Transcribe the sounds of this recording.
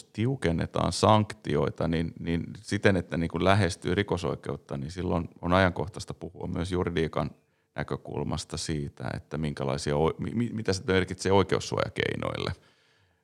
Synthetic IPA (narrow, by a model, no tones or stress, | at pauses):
ost̪iukenːḛt̪ɑ̰ːnsɑŋkt̪ioit̪ɑninninsit̪enet̪ːæniːŋkullæɦest̪yːrikoso̰ikeut̪ːɑninsilːononɑjɑŋkoht̪ɑst̪ɑ̥puhuɑ̰mmyøsjuridiːkɑn | nʔæ̰køkṵlmʔɑst̪ɑsiːt̪æ̰ḛt̪ːæmiŋkælɑ̰isiɑoimḭmimit̪æst̪ːæmerkit̪seːoikeusːuo̰jɑ̰kḛino̰ilːḛ